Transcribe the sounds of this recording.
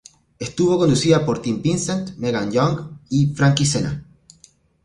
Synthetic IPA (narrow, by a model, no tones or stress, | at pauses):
est̪uβo̞ko̞nd̪usiðapo̞ɾt̪impinsent̪meɣanɟoŋɡifɾaŋkisena̰